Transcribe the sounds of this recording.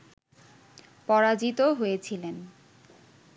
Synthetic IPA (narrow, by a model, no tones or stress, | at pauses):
pɔɾad͡ʑit̪oɦojet͡ɕʰilen